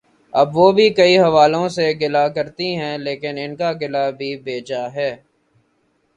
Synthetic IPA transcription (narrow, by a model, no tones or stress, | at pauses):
ɐ̰bʋoːbʱikɐiɦɐʋaːlõseɡɪlakɐɾt̪iɦɛ̃leːkɪnɪnkaɡɪlabʱibeːd͡ʒaɦɛː